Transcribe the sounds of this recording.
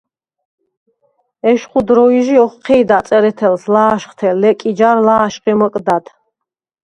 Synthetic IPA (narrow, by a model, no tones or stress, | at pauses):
ɛʃχud̪ɾɔiʒiɔχqʰɛːd̪at̪sʼɛɾɛt̪ʰɛlslaːʃχt̪ʰɛlɛkʼid͡ʒaɾlaːʃqʼimɔkʼd̪ad̪